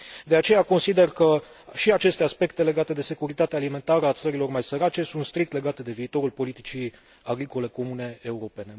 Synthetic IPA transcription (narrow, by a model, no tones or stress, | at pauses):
d̪e̞at͡ʃe̞jako̞nsid̪e̞rkə | ʃiat͡ʃe̞st̪e̞aspe̞kt̪e̞le̞ɡat̪e̞d̪e̞se̞kuɾit̪at̪eaːlime̞nt̪aɾəat̪səɾilo̞rmajsəɾat͡ʃe̞sunt̪st̪ɾik̚t̪le̞ɡat̪e̞d̪e̞viːt̪o̞ɾulpo̞lit̪it͡ʃi | aɡɾiko̞le̞ko̞mune̞euɾo̞pe̞ne̞